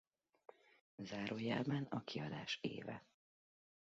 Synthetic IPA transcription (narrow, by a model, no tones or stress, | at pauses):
zaːɾʔoːjaːbanɒkiɒd̪aːʃḛːvɛ̰